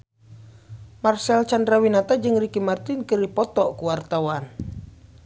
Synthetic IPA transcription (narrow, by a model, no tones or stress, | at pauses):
marsɛlt͡ʃandɾawinat̪ad͡ʒɨŋɾikimart̪inkɨripɔt̪ɔʔkuwart̪awan